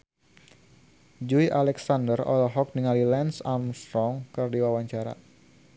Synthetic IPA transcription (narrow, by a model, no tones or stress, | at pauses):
d͡ʒuiʔalɛksandərɔ̰ləɦɔk̚niŋalilɛnsamst̪ɾɔŋkərdiwawaɲt͡ʃaɾa̰